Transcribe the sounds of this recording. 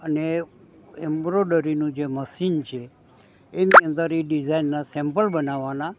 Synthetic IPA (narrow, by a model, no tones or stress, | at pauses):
əne | ɛmbɾoɖəɾinũd͡ʒeməsint͡ʃʰeː | niənd̪əɾiɖid͡ʒainːasɛ̃mpəlbənaʋana